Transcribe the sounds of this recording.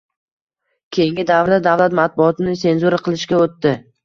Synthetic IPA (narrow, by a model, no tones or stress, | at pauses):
kʲʰe̞jɪŋɡʲɪd̪avɾɪd̪ad̪avlat̪mat̪̚bʊɒt̪ʰɪnɪse̞nzuɾaqʰɨlˠɪʃkʲaot̪ːɪ